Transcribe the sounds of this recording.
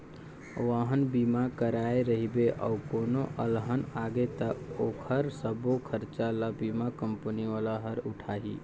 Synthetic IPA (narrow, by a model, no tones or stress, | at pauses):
ʋəɦənbimakəɾaeɾəɦibeʔə̰ʊkonoʔəlɦənaɡet̪əokʰəɾsəbokʰəɾt͡ʃaləbimakəmpəniʋalaɦəɾuʈʰaɦḭ